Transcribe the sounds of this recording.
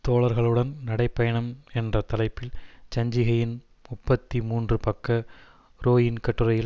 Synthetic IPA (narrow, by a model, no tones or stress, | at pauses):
t̪oːɭɐɾɣɐɭɯɽɐnnɐɽɐɪpːɐjɐɳɐmɛndrɐt̪ɐlɐɪpːɪlt͡ʃɐɲd͡ʒɪɣɐjɪn | mʊpːɐt̪ːimuːndrɯpɐkːɐ | ɾoːjɪnkɐʈːɯɾɐjɪl